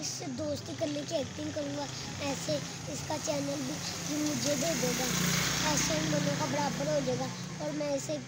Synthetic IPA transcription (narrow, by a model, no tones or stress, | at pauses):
ɪs | d̪oːst̪ikəɾnekiɛːk̚t̪ɪ̃ŋɡkəɾũːɡaː | ɛːse | ɪskat͡ʃɛːnəlbʱiːd͡ʒimʊd͡ʒʱed̪eːd͡ʒeːɡaːɛːsaĩmənõːkabəɽaːbəɾɦoːd͡ʒeːɡaː | ɔːɾmɛ̃ːɪse